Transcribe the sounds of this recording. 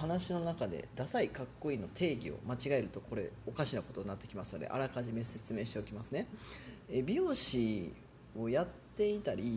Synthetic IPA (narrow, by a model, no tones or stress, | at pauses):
hanaɕino̞nakad̪e̞̰d̪asaikakːo̞ino̞t̪ʰe̞ːɡʲḭo̞̰mat͡ɕiɡae̞ɾɯ̟t̪o̞ko̞ɾe̞̰o̞kaɕinako̞t̪o̞ɲ̟inat̪ːe̞kʲimasɨnod̪e̞̰ʔa̰ɾakaʑime̞se̞t͡sɨme̞ːɕi̥t̪e̞o̞kʲimasɨne̞ebʲioːɕi | o̞jat̪ːe̞it̪aɾʲi